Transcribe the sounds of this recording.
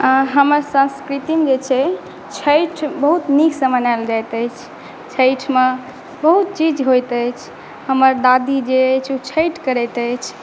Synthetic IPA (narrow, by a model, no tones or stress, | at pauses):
aɦəməɾsə̃skɾit̪imd͡ʒet͡ʃʰɛ | t͡ʃʰəjʈʰbəɦut̪nikʰsəmənajld͡ʒajt̪əjt͡ʃʰ | t͡ʃʰəjʈʰme | bəɦut̪̚t͡ʃid͡ʒɦojt̪əjt͡ʃʰ | həməɾd̪ad̪id͡ʒet͡ʃʰut͡ʃʰəjʈʰkəɾɛt̪əjt͡ʃʰ